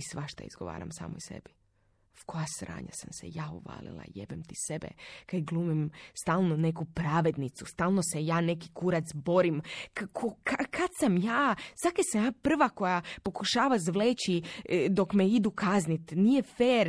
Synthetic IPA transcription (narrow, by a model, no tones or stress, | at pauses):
isʋaʃt̪a̰ḭzɡo̰ʋa̰ːɾa̰msa̰ːmojsḛbi | fko̞jasɾa̰ːɲa̰samsḛjaːuʋa̰ːlḭlˠa̰jḛbemt̪isebḛkad̪ɡlˠuːmimst̪aːlˠnone̞kupɾaːʋe̞d̪nit̪sust̪aːlˠno̞sejaːne̞ki̥kuɾat̪sbo̞ɾimkakʰokʰakat̪samjaːsakesamjaːpr̩ʋako̞japo̞kuʃaːʋazʋleːt͡ɕid̪o̞kmeid̪ukaznit̪nijefeːɾ